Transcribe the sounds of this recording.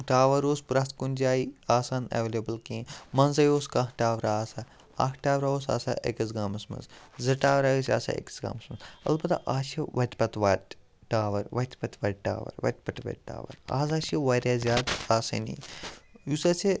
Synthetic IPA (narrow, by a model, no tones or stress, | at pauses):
ʈaːʋɐɾoːspɾɐt̪ʰkunʲd͡ʒaːiaːsaːnɐ̰ʋlʲebɐlkẽːmɐnzɐjoːskakʈaːʋɾaːsa | a̰ːkʰʈaːʋɾaːoːs̬a̰ːsa̰ːʔḛkɐs̬ɡaːmɐsmɐ̰nzzɐʈaːʋɾaːjisʲa̰ːsa̰ːḛki̥sɡa̰ːmɐsmɐnzɐ̰lbɐt̪a̰ʔaːʃɐʋɐt̪ʲpɐt̪ʋɐ | ʈaːʋɐɾʋɐt̪ʲpɐt̪ʰʋɐɖʈa̰ːʋɐ̰ɾʋɐ̰t̪̚ʲpɐʈ̪ʋɐ̰ʈ̚ʈa̰ːʋɐ̰ɾa̰ːzaːʃɐʋɐːɾʲaːzʲaːd̪aːsɐ̰nḭjusɐsʰe